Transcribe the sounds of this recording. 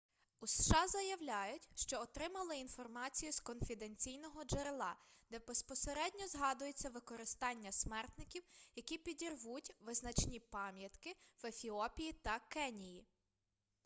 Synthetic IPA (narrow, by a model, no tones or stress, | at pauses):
usʃɑzɐjɐwlʲɑjʊtʲʃt͡ʃɔːt̪ɾɪmɐlˠɪinfɔrmɑt͡sʲijuskɔnfʲid̪enʲt͡sʲijnɔɦɔd͡ʒeɾelˠɑd̪ɛbespɔseɾɛdʲnʲɔzɦɑd̪ʊjet͡sʲːɐʋɪkɔɾɪst̪ɑnʲːɐsmɛrt̪nɪkʲiwjɐkʲipʲidʲirʋutʲʋɪznɐt͡ʃnʲipɑmʲjɐt̪kɪʋefʲiɔpʲijit̪ɐkɛnʲiji